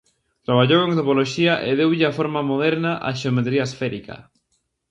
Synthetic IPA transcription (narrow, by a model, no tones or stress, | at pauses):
t̪ɾaβ̞aʎowẽŋt̪opoloʃiaʔeðewʎɪafoɾmamoðɛɾnaʔa̰ʃeomet̪ɾiaesfɛɾika̰